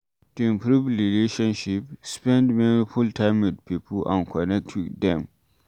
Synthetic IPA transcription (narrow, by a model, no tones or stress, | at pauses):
tuɪ̃mpɾuvɾileʃɔ̃nʃipspɛ̃ndmɛnifultʰãɪ̃mwɪd̚pipʰəlã̰nkʰɔnɛk̚tʰwidɛ̃m